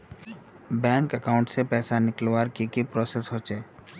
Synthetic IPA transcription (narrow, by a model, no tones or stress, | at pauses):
bɛ̃ːŋkəkaːʊ̃ɳʈsepɛːsanɪklwaːɾkikipɾɔːsesɦot͡ʃeː